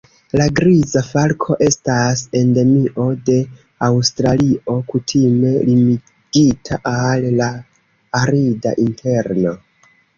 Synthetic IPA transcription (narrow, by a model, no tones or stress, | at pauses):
laɡɾizafalkʰo̞ʔe̞stase̞nde̞miʔo̞de̞ | awstɾalio̞kutʰime̞limi | ɡ̥itʰaʔallaː | ɾida̰ʔinte̞ɾno̞